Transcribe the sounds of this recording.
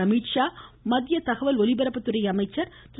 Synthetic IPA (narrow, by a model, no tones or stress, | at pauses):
ɐmiːʈʂaːmɐðjɐt̪ɐɣɐʋɐlɔlɪbɐɾɐpːɐt̪ːɯɾɐjɐɐmɐɪt͡ʃːɐɾ | t̪